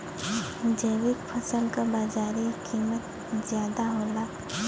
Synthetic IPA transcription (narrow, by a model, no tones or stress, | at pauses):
d͡ʒəːwɪkpʰəsəlkabaːd͡ʒaːɾikʰiːmət̪̚ | zjaːd̪aɦoːla